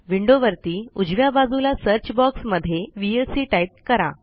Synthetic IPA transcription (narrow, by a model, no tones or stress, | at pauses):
ʋiɳɖoʋəɾt̪iːud͡ʑʋjabad͡zulasəɾt͡ɕbɔksməd̪ʱːjeʋiesiʈajt̚kəɾa̰